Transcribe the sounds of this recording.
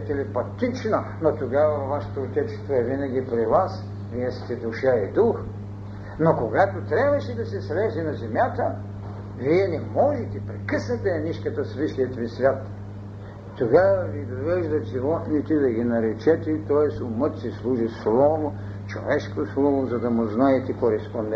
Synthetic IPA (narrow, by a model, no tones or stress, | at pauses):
ɛt̪ɛlipɐt̪it͡ʃnɐnot̪oɡavɐvaʃe̥t̪oːt̪ʲɛt͡ʃ̪st̪voɛvinɐɡʲipɾivas | viɛst̪ɛd̪uʃəɛd̪ux | nokoɡat̪ot̪ɾʲabvɐʃɛd̪ɐsɛslɛzɛnɐzɛmjat̪ə | viɛnɛmɔlit̪ɛpɾɛkəsnɐt̪ɛːniʃkɐt̪ɐsviʃʲiət̪visvʲjat̪ | t̪oɡavɐvid̪ovɛʒd̪ɐt̪ʒivɔt̪nit̪ɛd̪ɐɡʲinɐɾɛt͡ʃɛt̪ɛt̪ɔjɛsʊmɤt̪sislˠuʒislˠɔvo | t͡ʃo̰vɛʃkoslˠɔvozɐd̪ɐmʊznaɛt̪ɛkoɾɛspond̪ɛ